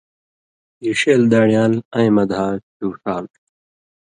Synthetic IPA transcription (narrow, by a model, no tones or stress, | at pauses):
jiɕeːld̪aːɽijaːlɐ̃j̃mɐd̪ʱaːt͡ɕuːʂaːl